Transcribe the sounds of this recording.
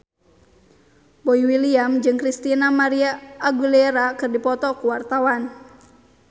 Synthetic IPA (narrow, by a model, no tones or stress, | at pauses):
boiwiliamd͡ʒɨŋkɾist̪inamaɾiaːɡulɛɾakɨrdipɔt̪ɔkuwart̪awan